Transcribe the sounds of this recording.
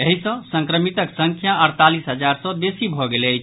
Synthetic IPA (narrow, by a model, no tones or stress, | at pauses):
eɦisə̃sə̃ŋkɾəmit̪əksəŋkʰjaəɾt̪alisɦəd͡ʒaɾsə̃besibʱɔɡeləjt͡ʃʰ